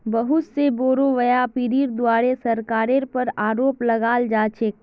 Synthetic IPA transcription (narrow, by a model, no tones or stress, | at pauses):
bəɦʊt̪seboːɾoʋəjapɪɾiːɾd̪waːɾesɐɾkaːɾeɾpəɾaːɾoːplɐɡaːld͡ʒaːt͡ʃeːk